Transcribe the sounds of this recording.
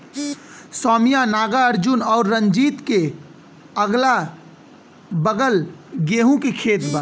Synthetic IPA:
sɔːmijanaːɡaəɾd͡ʒʊnɔːɾːəɲd͡ʒiːt̪ke | əɡla | bəɡəlɡeɦũkekʰeːt̪ba

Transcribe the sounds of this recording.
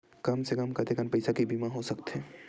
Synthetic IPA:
kɐmsekɐmkɐt̪ekənpəɪsakibʱimaɦosɐkt̪ɦɛː

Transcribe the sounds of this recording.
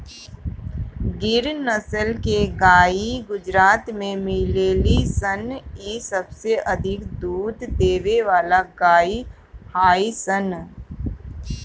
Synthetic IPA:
ɡɪɾnəsəlkeɡaːiɡʊd͡ʒɾaːt̪mẽmɪleːlisənisəbseʔɐd̪ʱɪkd̪uːd̪d̪eːʋeʋaːlaɡaːi | haːisən

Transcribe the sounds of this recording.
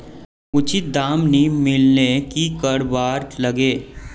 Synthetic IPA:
ʊt͡ʃʰid̪aːmnimɪlnekikəɾbaːɾlɐɡeː

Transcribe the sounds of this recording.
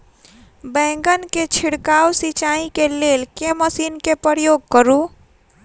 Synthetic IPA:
bɛ̃ŋɡənket͡ʃʰiɽkawsit͡ʃaikelelkeməsinkepəɾjoɡ̚kəɾu

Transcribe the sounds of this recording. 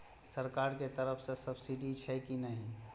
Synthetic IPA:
səɾkaːɾket̪əɾəfʰsesɐbsiɖit͡ʃʰɛkinɐɦĩ

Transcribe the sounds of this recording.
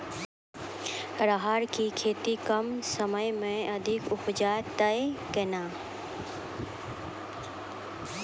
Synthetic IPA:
ɾaɦaːɾkiːkʰeːt̪ikəmsəməjmẽɐd̪ʱɪkʊpd͡ʒaːt̪əekənaː

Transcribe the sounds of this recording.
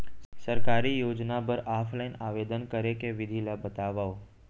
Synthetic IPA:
səɾkaɾijoːd͡ʒnapəɾʔafʰlainaʋed̪ənkəɾekeʋɪd̪ʱilabət̪aʋao

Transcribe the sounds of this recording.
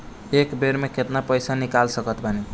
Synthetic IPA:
ekbeɾmeket̪napəjsanikalsəkət̪bʱane

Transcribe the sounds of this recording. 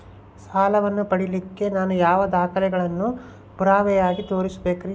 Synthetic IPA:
saːlɐʋɐnːupɐɽilikːe̞naːnujaːʋɐd̪aːkʰɐlɛɡɐɭɐnːu | puɾaːʋɛjaːɡit̪o̞ːɾisbeːkɐɾi

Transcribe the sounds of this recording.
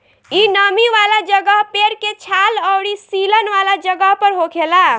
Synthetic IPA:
inəmiʋalad͡ʒəɡəɦpeɾket͡ʃʰaləwɾisilənʋalad͡ʒəɡəɦpəɾɦokʰela

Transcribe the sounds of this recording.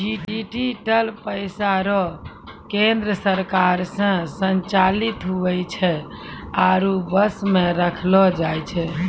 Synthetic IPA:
d͡ʒiʈd͡ʒiʈiʈəlpəjsaɾɔ | kend̪ɾəsəɾkaɾsə̃sənt͡ʃalit̪ɦuʋɛt͡ʃʰɛ | aɾubəsmeɾəkʰlɔd͡ʒajt͡ʃʰɛ

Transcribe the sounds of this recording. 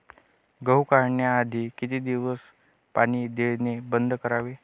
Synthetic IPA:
ɡəwkaɾɳjaːd̪ʱiːkit̪iːd̪iʋəs | paɽ̃id̪eɭnebənd̪ʱkəɾaʋe

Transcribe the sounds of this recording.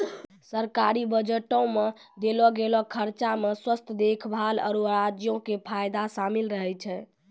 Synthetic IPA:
səɾkaɾibəd͡ʒəʈõmed̪elɔɡelɔkʰəɾt͡ʃameswəst̪ʰd̪ekʰbʱalə̰ɾuɾad͡ʒjõkepʰajd̪asamilɾəɦɛt͡ʃʰɛ

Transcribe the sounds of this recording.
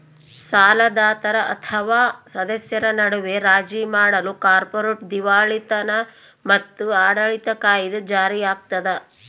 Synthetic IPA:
saːlɐd̪aːt̪ɐɾɐʔɐt̪ʰɐʋaːsɐd̪ɐsjɐɾɐnɐɽuʋeɾaːd͡ʒimaːɽɐlukaːɾpoɾeʈd̪iʋaːɭit̪ɐnɐ | mɐt̪ːuaːɽɐɭit̪ɐkaːjid̪ud͡ʒaːɾijaːk̚t̪ɐd̪ɐ

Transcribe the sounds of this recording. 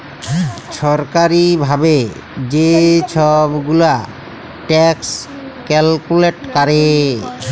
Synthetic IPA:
ʃɔɾkaɾibʱabe | d͡ʑet͡ʃʰɔbɡula | ʈɛks | kɛlkuleʈkaɾe

